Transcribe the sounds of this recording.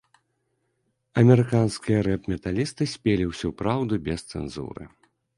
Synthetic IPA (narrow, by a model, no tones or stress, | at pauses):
ɐmʲɛɾɨkanskʲijɐɾɛpmʲɛt̪alʲist̪ɨsʲpʲelʲiwsʲupɾawd̪ubʲɛst̪sɛ̰nzṵɾɨ̰